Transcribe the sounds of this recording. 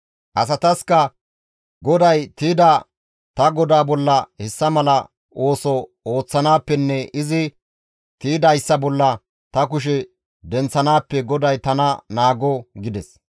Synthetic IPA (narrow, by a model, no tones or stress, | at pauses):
ʔɐs̬ɐt̪ɐskɐ | ɡɔd̪ɐjt̪iːd̪ɐ | t̪ɐɡɔd̪aːbɔlːɐhɛsːɐmɐlɐ | ʔo̞ːsɔ | o̞ːt͡sːɐnaːpːɛnːɛɪzɪ | t̪iːd̪ɐjsːɐbɔlːɐ | t̪ɐk̬ʊʃ̬ɛ | d̪ɛnt͡sːɐnaːpːɛɡɔd̪ɐjt̪ɐnɐnaːɡɔɡɪd̪ɛs